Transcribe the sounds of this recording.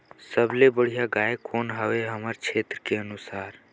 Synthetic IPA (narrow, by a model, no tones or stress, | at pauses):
səblebəɽ̤ijaɡaːekoːnɦəʋeɦəməɾkʰeːt̪ɾəkeənusaːɾ